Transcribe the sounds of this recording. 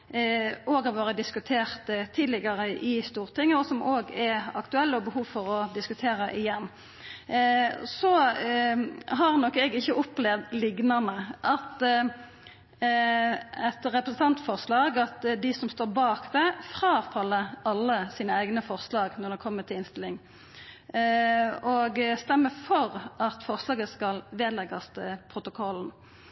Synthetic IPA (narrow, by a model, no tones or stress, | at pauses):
oːɡɑt̪ʋoːɾəd̪ɪskʉt̪ʰeːʁt̪t̪ʰiːd̪lɪɡəʁəʔɪst̪uːʁt̪ʰɪŋːəɔsɔmʔoːɡɛɾɑkt̪ʉɛlːəɔbəhuːʋfɔʁɔd̪ɪskʉt̪ʰeːʁəʔɪjɛnː | sɔ | ɦɑʁnɔkːɛɡɪçːəʔʊplɛʋd̪lɪɡnɑnəʔɑt̪ | ɛt̪ʁɛpɾəsn̩t̪ʰɑnt̪fɔʁslɑːɡɑt̪d̪ɪsɔmst̪oːʁbɑːkd̪ɛfʁɑːfɑlːəɑlːəsiːnəæɪɡnəfɔʁslɑːɡnɔʁd̪ɛkʰɔmːət̪ʰɪlɪnst̪ɪlːɪŋ | ɔɡst̪ɛmːəfɔʁɑt̪fɔʁslɑːɡəskɑlʋeːd̪lɛɡɑst̪ʰəpʰʁʊt̪ʊkʰɔln̩